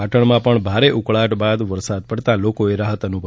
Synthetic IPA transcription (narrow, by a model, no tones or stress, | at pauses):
aʈəɳmãpəɳbʱaɾeʔukɭaʈbad̪ʋəɾsad̪̚pəɽt̪alokoeɾaɦət̪ənubʱ